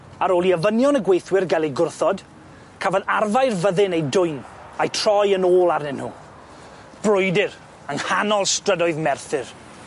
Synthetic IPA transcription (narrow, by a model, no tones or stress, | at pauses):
aɾoːliəvənjɔnəɡwejθwɪrɡalˠejɡʊrθɔd̥ | kʰavənarvajrvəðɪnejdʊjn | ajtʰr̥ɔjənoːlˠarnɛnu | b̥rʊjdɪr | əŋhanɔlˠstrədɔɨðmɛrθɪr